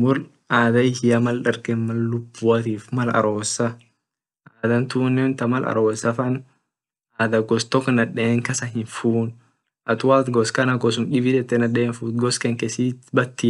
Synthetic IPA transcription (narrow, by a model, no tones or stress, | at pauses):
mʊl | aːd̪ɐɪhɪjɐmɐlᶑɐɾkɛnmɐlːʊbːʊɐt̪iːfmɐlɐ̰ɾo̞ːsːɐ | ʔaːd̪ɐnt̪uːnːɛnt̪ɐmɐlʔɐ̰ɾoːsɐfɐn | aːd̪ɐɡɔst̪ɔkːnɐᶑeːŋkɐsɐɦɪnfuːn | ʔɐt̪ʊwaːt̪ɡɔskɐnɐɡɔsʊmᶑɪbid͡ʒɛt̪ːɛnɐᶑeːnfuːt̪ɡɔskɛŋkɛsiːt̪bɐt̪ːɪ